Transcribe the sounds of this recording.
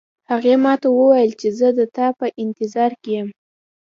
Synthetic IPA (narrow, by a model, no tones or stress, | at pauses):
haɣemɑt̪awəwajəlt͡ʃezəd̪ət̪ɑpəʔɪnt̪ɪzɑɾkejəm